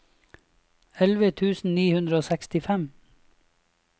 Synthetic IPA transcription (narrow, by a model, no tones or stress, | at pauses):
ɛlʋət̪ʰʉːsn̩niːhʉnd̪ɾəoːsɛkst̪ɪfɛm